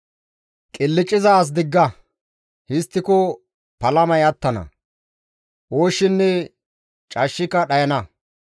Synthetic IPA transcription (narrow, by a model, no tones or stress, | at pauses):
kʼɪlːɪt͡ʃʼːɪzaːs̬d̪ɪɡːɐ | hɪst̪ːɪkɔ | pɐlɐmɐjɐt̪ːɐnɐ̰ | ʔoːʃːɪnːɛ | t͡ʃʼɐʃːɪkːɐɗɐjɐnɐ